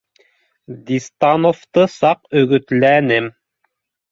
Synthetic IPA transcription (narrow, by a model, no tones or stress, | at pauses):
d̪ʲist̪ɑnoft̪ɤsɑqɵ̆ɡɵ̆t̪lænɘm